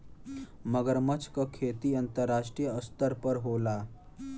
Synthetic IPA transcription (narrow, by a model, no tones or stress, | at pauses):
məɡəɾmət͡ʃʰkakʰeːt̪iɐnt̪əɾːaːʂʈɾijəəst̪əɾpəɾɦoːla